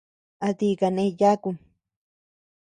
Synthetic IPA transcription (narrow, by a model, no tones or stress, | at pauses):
at̪ikanejakuŋ